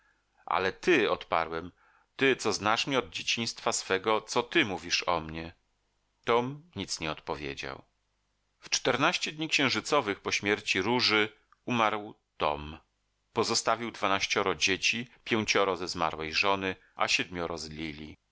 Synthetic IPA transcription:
ʔa̰lɛt̪ɘɔt̪pa̰ɾwɛm | t̪ɘt̪sɔznaʂmʲiɔd̪̚d͡ʑet͡ɕĩj̃st̪fasfɛɡɔt̪sɔt̪ɘmuvʲiʂɔ̰mɲɛ | t̪ɔmɲit̪sɲɛɔt̪̚pɔvʲjḛd͡ʑa̰w | ft͡ʂt̪ɛɾnaɕt͡ɕɛd̪̚ʲɲikɕɛ̃w̃ʐɘt̪sɔvɘxpɔɕmʲjɛɾt͡ɕiɾuʐɘ | umaɾw | t̪ɔ̰m | pɔzɔst̪avʲiwd̪vanaɕt͡ɕɔɾɔd͡ʑet͡ɕipʲjɛw̃t͡ɕɔɾɔzɛzma̰ɾwɛjʐɔnɘ | ʔa̰ɕɛd̪̚mʲjɔɾɔzlʲilʲi

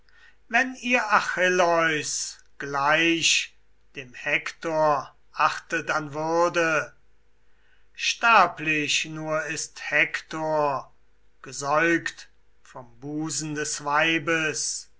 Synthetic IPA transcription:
vɛniːɐʔaxɪlɔʏs | ɡ̥laɪʃ | d̥eːmhɛktoːɐ | ʔaχtətanvʏɐdə | ʃtaːplɪʃnuːɐɪsthɛktʰoːɐ | ɡ̥əzɔʏkt | fɔmbuːzn̩dɛsv̥aɪbəs

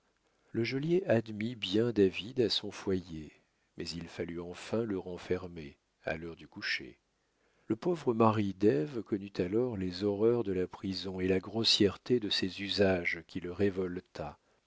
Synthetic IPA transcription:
ləʒɔljeʔad̪mibjɛ̃d̪avid̪asɔ̃fwaje | mɛzilfalyɑ̃fɛ̃ləʁɑ̃fɛʁme | a̰lœʁd̪ykuʃḛ | ləpovʁəmaʁid̪ɛvkɔnyt̪ʰalɔʁlezɔʁœʁd̪əlapχizɔ̃elaɡʁɔsjɛʁt̪ed̪əsɛzyzaʒkʲiləʁevɔlt̪ʰa

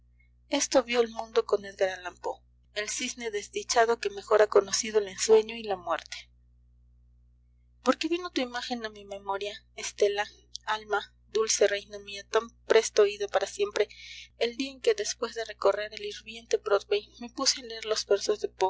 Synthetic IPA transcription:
e̞st̪o̞βjo̞elmũnd̪o̞ko̞neðɡaɾalampo | elsizne̞ðe̞zðit͡ʃaðoke̞me̞xo̞ɾako̞no̞siðoele̞nswe̞ɲo̞ilamwe̞ɾt̪e̥ | po̞ɾke̞βino̞t̪uimaxe̞namime̞mo̞ɾja | est̪e̞la | alma | d̪ulse̞rejnomiat̪ampɾʔe̞st̪ooiðopaɾasje̞mpɾe̞eld̪iae̞ŋke̞ðe̞spwe̞zðe̞re̞ko̞re̞ɾeliɾβje̞nt̪e̞pɾoðwejme̞puseenleeɾlo̞zβeɾso̞zðe̞po

